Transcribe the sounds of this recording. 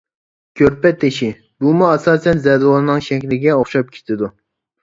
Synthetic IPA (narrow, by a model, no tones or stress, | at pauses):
kʲʰøɾpɛt̪ʰːeʃi | bumuɛsɑːsɛnzɛd̪wɑlˠɨnɨŋʃɛkʲlɪɡʲɛoχʃɑp̚kʲʰe̥t̪ʰɪd̪u